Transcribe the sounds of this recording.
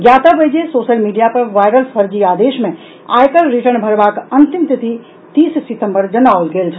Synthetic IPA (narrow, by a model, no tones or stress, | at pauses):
ɡjat̪əbəjd͡ʒesoʃəlmiɖijapəɾʋaːjɾəlsəɾd͡ʒiaːd̪eʃmẽ | a̰jkəlɾiʈəɳbʱəɾʋaːkənt̪imt̪it̪i | t̪iːssit̪ə̃mbəɾd͡ʒənaːʋlɡeːlt͡ʃʰ